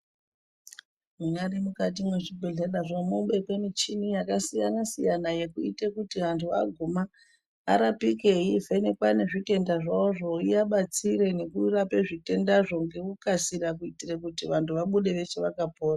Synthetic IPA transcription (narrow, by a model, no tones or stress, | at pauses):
muɲarimukat̬imwe̞ʐibʱeɮeɗaʐomuɓe̞kwemit͡ʃinujakasijanasijanaje̞kuitekutiʋantʰuʋa̰ɡʱuma̰ː | ɾapike̞ifenekwane̞ʐite̞ndaʐaoʐo̞ijaɓat͡siɾe̞ne̞kurape̞ʐite̞ndaʐo̞ŋɡe̞kukasirak̬uitirekutiʋantʰuʋaɓuɗe̞ʋe̞t͡ʃeʋakapoːra